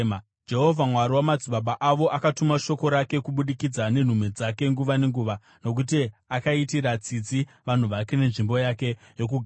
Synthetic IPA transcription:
d͡ʒe̞ɦo̞vʱamwaɾiwamad͡ziɓaɓaʔaʋo̞ʔakatumaʃo̞ko̞ɾake̞kuɓuɗikid͡zane̞n̤umed͡zake̞ŋɡuʋane̞ŋɡuːʋa | no̞k̬ut̬iakaitiɾat͡sid͡zi | ʋan̤uʋake̞ne̞nʐimbo̞jake̞ | jo̞k̬uɡʱ

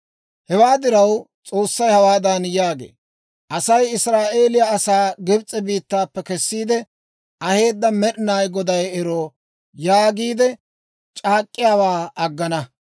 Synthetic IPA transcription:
hɛwaːd̪ɪɾɐw | t͡sʼo̞ːsːɐjhɐwaːd̪ɐnjaːɡḛː | ʔɐsɐjɪsɾaːʔeːlɪjɐːsaːɡɪbt͡sʼːɛbiːt̪ːaːpːɛkɛsːiːd̪ɛ | ʔɐhe̞ːd̪ːɐmɛɗɪnaːjɡɔd̪ɐjɛɾoː | jaːɡiːd̪ɛ | t͡ʃʼaːkʼːɪjaːwaːɐɡːɐnɐ

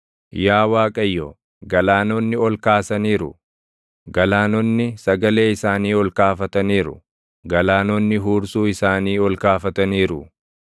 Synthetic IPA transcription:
jaːwaːkʼɐjːoː | ɡɐlaːnɔnːɪɔlkaːsɐniːɾʊ̰ | ɡɐlaːnɔnːɪsɐɡɐle̞ːɪsaːniːɔlkaːfɐt̪ɐniːɾʊ̰ | ɡɐlaːnɔnːɪɦuːɾsuːɪsaːniːɔlkaːfɐt̪ɐniːɾʊ

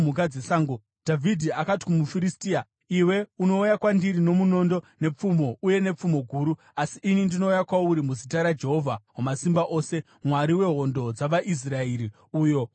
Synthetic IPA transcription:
mukad͡zeɬaːŋɡo | d̥ʱavidʱiakati̥kumufiɾistiːa | iwe̞uno̞ujakwandiɾino̞muno̞ndo̞nep͡fumo̞uje̞ne̞p͡fumo̞ɡʱuːɾu | asiʔinindino̞ujakwauɾimuzitaɾad͡ʒe̞ɦo̞vʱawomasimbaʔo̞ːse̞ | mwaɾiwe̞ɦo̞ndo̞d͡zaʋaʔis̬raeɾi | uːjo̞

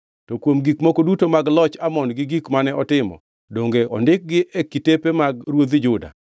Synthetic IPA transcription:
tɔkwomɡikmokodutomaɡlɔt͡ʃamɔnɡɪɡikmanɛʔɔtɪmɔ̰ | doŋɡeɔ̰ndɪk̚ɡɪʔekitepemaɡ̚ɾwod̪id͡ʒʊda̰

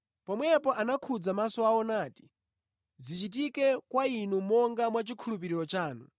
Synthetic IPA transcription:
pɔmwɛpɔʔanakʰud͡zamasɔaɔnaːti̥ | zit͡ʃit̬ikɛkwainumɔŋɡamwat͡ʃikʰulup̬iɾiɾɔt͡ʃaːnu

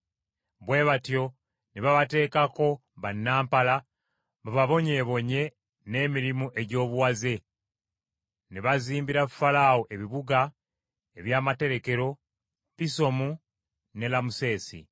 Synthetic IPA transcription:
βwe̞ːβatjo̞ | niβaβate̞ːkako̞ | βanːaːmpala | βaβaβo̞ɲe̞ːβo̞ɲe̞ | ne̞ːmiɾimuʔe̞ɟo̞ːβuwaze̞ | neβaziːmbiɾafalaːwoʔe̞βiβuɡa | eβjaːmate̞ɾe̞ke̞ɾo̞ | piso̞mu | ne̞lamuse̞ːsḭ

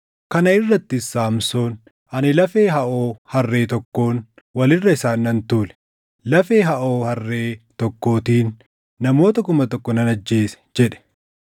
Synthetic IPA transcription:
kɐnɐɪrːɐt̪ːɪɪsːaːmso̞ːn | ʔɐnɪlɐfe̞ːɦɐʔoːhɐrːe̞ːt̪ɔkːo̞ːn | wɐlɪrːɐɪsaːnːɐnt̪uːlɛ̥ | lɐfe̞ːɦɐʔo̞ːhɐrːe̞ːt̪ɔkːo̞ːt̪iːnː | ɐmo̞ːt̪ɐkʊmɐt̪ɔkːɔnɐnɐd͡ʒːe̞ːsɛ̥d͡ʒɛᶑɛ̥

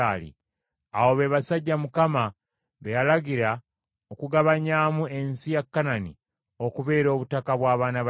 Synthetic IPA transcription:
aːlḭ | awo̞βeβasaɟːamukama | βejalaɡiɾa | okuɡaβaɲaːmue̞nsijakːananḭ | o̞kuβe̞ːɾo̞ːβutakaβwaːβaːnaβ

